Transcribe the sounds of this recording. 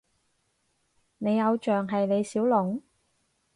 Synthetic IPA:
ne˨˧jːɐ˨˧wt͡ʃœː˨ŋɦɐ˨jne˨˧jsiː˨˥wlʊ˨ŋ

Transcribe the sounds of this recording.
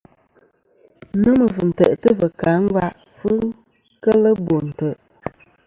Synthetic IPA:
nə˦mə˨vɨ˨n̩˨tə̰˨ʔtə˦və˨ka˨˦ŋ̩˦ɡwa˦ʔ | fɨ˦ŋ | kə˦lə˦bo˨n̩˨tə˨ʔ

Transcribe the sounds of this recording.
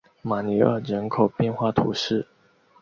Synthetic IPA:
ma˨˩ni˧˥ə˨˩ɻə˧˥nkʰo˨˩ʊpjɛ˥˧nxwa˥˩t̪ʰṵ˧˥ʂɻ̩˥˩

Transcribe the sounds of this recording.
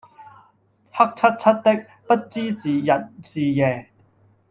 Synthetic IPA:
hɐ˥k̚t͡sʰɐ˥t̚t͡sʰɐ˥t̚t̪ɪ˥k̚ | pɐ˥t̚t͡siː˥siː˨jɐ˨t̚siː˨jɛː˨˩

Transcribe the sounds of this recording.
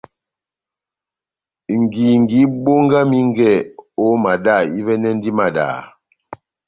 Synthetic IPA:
ŋ˨ɡi˨ŋ˨ɡi˨˦ɓo˦ŋɡa˦mi˦ŋ˦ɡɛ˦˨o˦ma˨da˦˨i˦vɛ˦nɛ˦n˦di˦ma˨da̰ː˨

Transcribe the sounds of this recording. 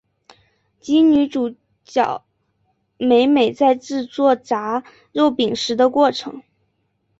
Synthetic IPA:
t͡ɕi˥ŋny˧˥ʈ͡ʂu˨˩ | t͡ɕjɑ˨˩ʊ | me˧˥ɪme˨˩ɪt͡sa˥˧ɪʈ͡ʂɻ̩˥˧t͡swɔ˥˩t͡sa˧˥ | ɻo˥˩ʊpi˨˩ŋʂɻ̩˧˥d̪ə˧kwɔ˥˩ʈ͡ʂʰɤ̰˧˥ŋ

